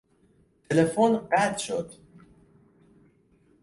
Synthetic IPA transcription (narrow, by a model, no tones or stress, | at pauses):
t̪ʰelefonɢæt̪ʃo̰d̪̥